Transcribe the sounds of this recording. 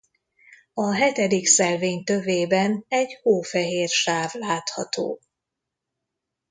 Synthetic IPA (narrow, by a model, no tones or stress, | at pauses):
ɒɦɛt̪ɛd̪iksɛlveːɲt̪ø̞veːbɛnɛɟhoːfɛɦeːrʃaːvlaːt̪hɒt̪o̰ː